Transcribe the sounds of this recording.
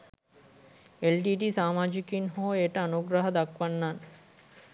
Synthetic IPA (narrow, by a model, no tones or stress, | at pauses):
elɖiʈisamad͡ʑikinɦoeʈaanoɡɾaɦad̪akwanːan